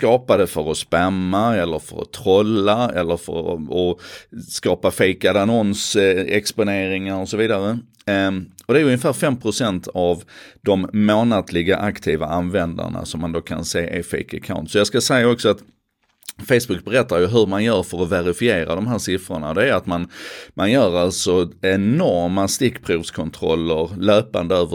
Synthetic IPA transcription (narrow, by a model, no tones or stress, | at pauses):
skɑːpad̪əfœɾɔspɛmːaɛlːəɾfœ̰ɾɔ̰t̪ʰɾɔlːaɛ̰lːəɾfœ̰ɾɔskɑːpafeɪkad̪anɔnsɛkspʊneːɾɪŋaɾɔsɔviːd̪aɾə | ɔd̪ɛæːɾʉɵŋəfæːɾfɛmːpʰɾʊsɛnt̪ʰavd̪ɔmːoːnad̪lɪɡaʔakt̪ʰiːva̰ʔanvɛnd̪a̰ɳa̰sɔmːand̪oːkʰa̰nseːʔefɛ̰ɪkakʰa̰ʊnt̪sɔjɑɡskasɛjːaɔksɔat̪ | feɪsbɵk̚bɛɾɛt̪ːaɾjɵɦɵɾmanjœːɾfœɾɔvæɾɪfɪeːɾa̰d̪ɔmɦæːɾʂɪfɾəɳa̰ɔd̪ɛæɾat̪manmʔanjœːɾalt̪sɔɛnɔɾmast̪ɪkːpʰɾuːvskʰɔnt̪ʰɾɔ̰lːəɾløːpa̰nd̪əøːvə